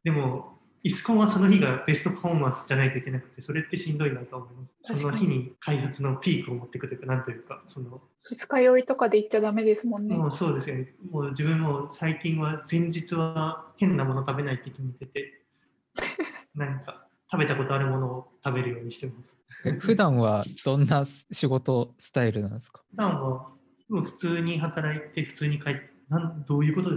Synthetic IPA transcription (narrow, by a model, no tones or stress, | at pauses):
d̪e̞mo̞ | isɨ̥kõ̞ɰ̃βaso̞noçiɡabe̞sɨ̥t̪o̞pʰaoːmãsɨ̥ʑanait̪o̞ikʲe̞nakɯ̟̥t̪ːe̞so̞ɾe̞t̪ːe̞ɕĩnd̪o̞inait̪o̞amo̞imasɨ̥so̞no̞çiɲ̟ikʰaihat͡sɨno̞pʲiːkɯ̟omo̞t̪ːe̞kɯ̟t̪oɯ̟kanãnt̪o̞jɯ̟ːkaso̞no̞ | ɯt͡sɨ̥kajoit̪o̞kad̪eit̪ːad̪ame̞d̪e̞sɨmõnːemoːso̞ːd̪e̞sɨjo̞nemo̞ːd͡ʑibɯ̟̃mːo̞saikʲĩɰ̃βad͡zẽ̞ɲ̟d͡ʑit͡sɨβahẽ̞nːamo̞not̪abe̞nait̪ːekʲimit̪e̞t̪e̞ | nãŋka | t̪abe̞t̪ako̞t̪o̞aɾɯ̟mo̞no̞ːt̪abe̞ɾɯ̟jo̞ːɲ̟iɕi̥t̪emasɨ̥eɸɯ̟d̪ãɰ̃βad̪̥õ̞nːaɕiɡo̞t̪o̞sɨ̥t̪aiɾɯ̟nã̰nesɨ̥kḁɸɯ̟d̪ãɰ̃βa | moɸɯ̟̥t͡sɨːɲ̟iɦat̪aɾait̪e̞ɸɯ̥t͡sɨːɲ̟ikait̪ː | nãnd̪oːjɯ̟ːko̞t̪o̞d̪e